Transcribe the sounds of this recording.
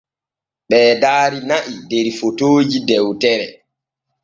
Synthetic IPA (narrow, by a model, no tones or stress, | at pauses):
ɓɛːdaːɾinaʔideɾifotoːd͡ʒidɛwtɛɾɛ